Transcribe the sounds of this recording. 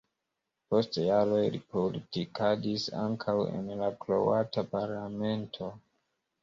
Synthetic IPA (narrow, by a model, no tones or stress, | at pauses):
po̞stjaɾo̞jlḭpolitikʰadisa̰ŋkʰawḛnlaklowatapaɾlame̞ntʰo̞